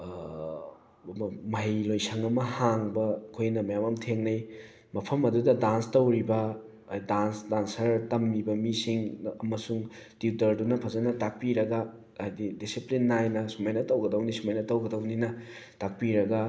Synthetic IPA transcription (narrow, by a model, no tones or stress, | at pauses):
mɐmɐɦjlojsɐŋɐmɐhaŋbɐkʰojnɐmɐjamɐmtʰeŋnɐj | mɐpʰɐmɐdudɐdanstɐwɾibɐ | dansdansɐɾtɐmːibɐmisiŋɐmɐsuŋtitɐɾdunɐpʰɐzɐnɐtak̚piɾɐɡɐ | jdidisiplinːajnɐsumajnɐtɐwɡɐdɐwnisumajnɐtɐwɡɐdɐwninɐtak̚piɾɐɡɐ